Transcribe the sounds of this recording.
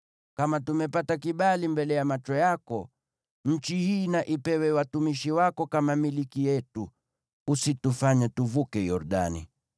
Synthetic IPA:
kamatumɛpatakiɓalimbɛlɛjamat͡ʃɔjakɔ | ɲ̩t͡ʃihiːnaʔipɛwɛwatumiʃiwakɔkamamilikijɛtuː | situfaɲatuvukɛjɔɾɗa̰nḭ

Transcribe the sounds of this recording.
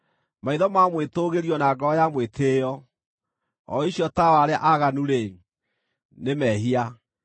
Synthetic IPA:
maiðɔmamwetoɣeɾiɔnaːɡɔɔjamwetʰejɔ | ɔ̰iɕjɔtawaɾeaʔaɣanuɾe | nemɛɦia

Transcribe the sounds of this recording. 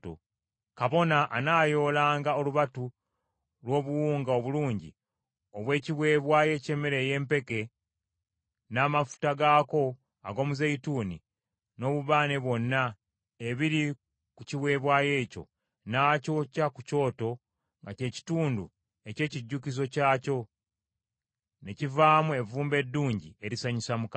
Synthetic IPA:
o̰ | kaβo̞naʔːnaːjo̞ːlaːŋɡao̞luβatu | lwo̞ːβuwuːŋɡao̞βuluːɲɟḭ | oβwe̞ːciβwe̞ːβwaːje̞ce̞ːmeɾe̞je̞ːmpe̞ke̞ | naːmafu̥taɡaːko̞ | a̰ɡo̞ːmuzeituːnḭ | no̞ːβuβaːne̞βwo̞nːa | eβiɾi | kuciβwe̞ːβwaːje̞ːco̞̰ | naːco̞cakuco̞ːto̞ | ŋɡace̞ːci̥tuːndṵ | e̞ce̞ːciɟːukizo̞caːco̞ | ne̞civaːmue̞vuːmbe̞dːuːɲɟie̞ɾisaɲisamuka

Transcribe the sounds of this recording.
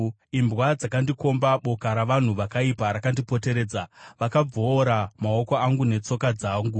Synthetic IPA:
imbwad͡zakandiko̞mbaɓo̞kaɾaʋan̤uʋakaipaɾakandipo̞te̞ɾe̞ːd͡zaʋakab͡voːɾamaoko̞aŋɡune̞t͡so̞kad͡zaːŋɡu

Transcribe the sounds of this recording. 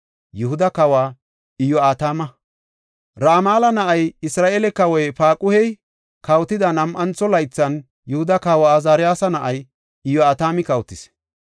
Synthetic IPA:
jʊhʊd̪ɐkɐwaː | ɪjɔaːt̪aːmɐ | ɾaːmaːlɐnɐʔɐjɪsɾaːʔeːlɛkɐwɔjpaːkʼʊhɛj | kɐwt̪ɪd̪ɐnɐmʔɐnt͡sːɔlɐjt͡sːɐn | jʊhʊd̪ɐkɐwaːzaːɾɪjaːsɐnɐʔɐj | ɪjɔaːt̪aːmɪkɐwt̪ːɪs

